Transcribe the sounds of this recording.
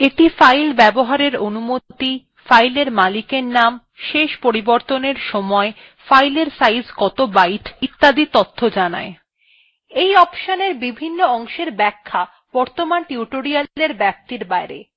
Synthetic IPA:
eʈifajlbɛboɦaɾeɾonumot̪i | fajleɾmalikeɾnam | ʃeʃpoɾiboɾt̪oneɾʃɔmɔe | fajleɾsajzkɔt̪obajʈit̪ːad̪it̪ot̪ʰːod͡ʑana̰e | ejɔpʃoneɾbibʱinːoɔŋʃeɾbɛkʰːa | b̥ɔɾt̪omanʈiuʈoɾialeɾbɛp̚t̪iɾbaeɾḛ

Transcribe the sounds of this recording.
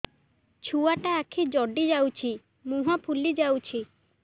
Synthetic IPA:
t͡ʃʰuaʈaːkʰid͡ʒɔɖid͡ʒawt͡ʃʰi | muɦapʰulid͡ʒawt͡ʃʰi

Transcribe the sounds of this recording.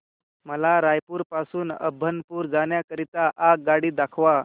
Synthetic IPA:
məlaɾajpuːɾpasuːnə̰bʱːənpuːɾd͡zaɳjakəɾit̪aʔaɡaɽiːd̪akʰʋa

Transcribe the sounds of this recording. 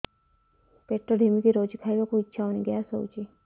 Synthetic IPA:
peʈɾoɖʱemikiɾod͡ʒikʰaiʋakuitːʃʰaoniɡəjaso̰wt͡ʃi

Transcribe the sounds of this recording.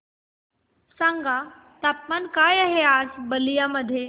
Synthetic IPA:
sãŋɡa | t̪ap̚mankaːjəɦeaːsbəlijaməd̪ʱje

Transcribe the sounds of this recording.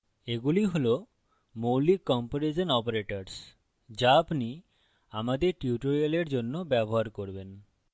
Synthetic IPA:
eɡuliɦolo | molikːɔmpoɾed͡ʑonɔpoɾeʈoɾs | d͡ʑaapni | amad̪eɾʈiuʈoɾialeɾd͡ʑonːobɛboɦaɾkoɾben

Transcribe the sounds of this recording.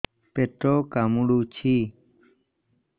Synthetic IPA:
peːʈɾoːkaːmuɽuːt͡ʃʰiː

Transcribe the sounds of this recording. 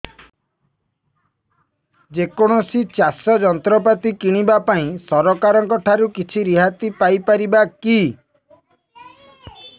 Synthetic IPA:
d͡ʒekɔɽ̃ɔsit͡ʃasɔd͡ʒɔnt̪ɾɔp̬at̪ikiɽ̃ibapaĩsɔɾɔkaɾɔŋkɔʈʰaɾukit͡ʃʰiɾiɦat̪ipajpaɾibaki

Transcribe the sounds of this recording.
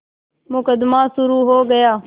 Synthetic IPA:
mʊkəd̪maːsʊɾuːɦoːɡəjaː

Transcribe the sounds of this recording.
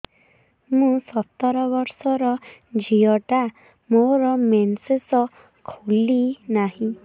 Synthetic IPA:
mũsɔt̪ːɔɾɔbɔɾsɔɾɔd͡ʒiɔʈa | moɾɔmensesɔ | kʰulinaɦĩ

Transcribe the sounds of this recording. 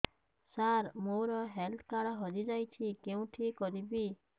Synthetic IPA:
saɾmoɾɔɦelt̪ʰkaɽɔɦɔd͡ʒid͡ʒajt͡ʃʰikeũʈʰikɔɾibi

